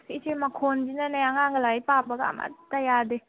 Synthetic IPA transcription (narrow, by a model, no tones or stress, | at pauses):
sit͡ʃemakʰond͡ʒinanajaŋaŋɡəlajpabaɡa̰ma̰tajaɾde